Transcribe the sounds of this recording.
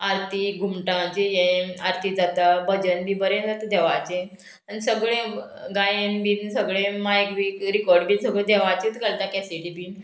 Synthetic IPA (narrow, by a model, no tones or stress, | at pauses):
aɾt̪iɡʱumʈãt͡ɕijẽaɾt̪ʰid͡zat̪abəd͡ʑənbibəɾẽnd͡zat̪ad̪ɛʋat͡ɕe | anisəɡɭẽ | ɡajenbinsəɡɭẽmajkʋiːkɾikɔɾɖbiːnsəɡɭẽd̪ɛʋat͡ɕit̪ɡəlt̪ãkɛsiʈibiːn